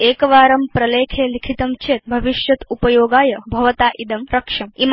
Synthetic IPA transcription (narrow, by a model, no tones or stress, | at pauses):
eːkɐʋaːɾɐmpɾɐleːkʰeːlikʰit̪ɐmt͡ʃʰeːt̪̚bʱɐʋiʃjɐt̪upɐjoːɡaːjɐbʱɐʋɐt̪aːʔid̪ɐmɾɐkʂɐmim